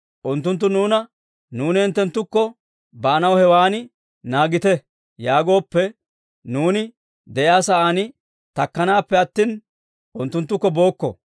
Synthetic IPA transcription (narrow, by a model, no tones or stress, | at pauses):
ʔʊnt̪ːʊnt̪ːʊnuːnɐ | nuːnɪɛnt̪ːɛnt̪ːʊkːɔ | bɐʔːnɐwhɛwaːnɪ | naːɡɪt̪ɛ | jaːɡo̞ːpːɛ | nuːnɪ | d̪ɛjaːsɐʔaːnɪ | t̪ɐkːɐnaːpːɛɐt̪ːiːn | ʔʊnt̪ːʊnt̪ːʊkːɔbo̞ːkːɔ̰